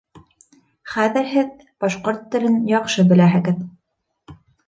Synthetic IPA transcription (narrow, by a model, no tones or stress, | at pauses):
χæðɘ̆ɾɦɘð | b̥ɑʃqoɾt̪ːɘ̆lɘnjɑqʃɤbɘ̆læɦɘ̆ɡɘð